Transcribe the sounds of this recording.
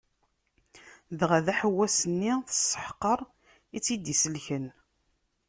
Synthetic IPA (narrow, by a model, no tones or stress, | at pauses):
ðʁæðæħəwːæsənːiθə̥sːə̥ħqːəɾˤ | it͡sːid̪isəlçən